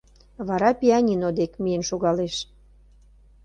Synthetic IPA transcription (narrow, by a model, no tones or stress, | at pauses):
βɑɾɑpiɑnʲinod̪ekmijənʃoɣɑleʃ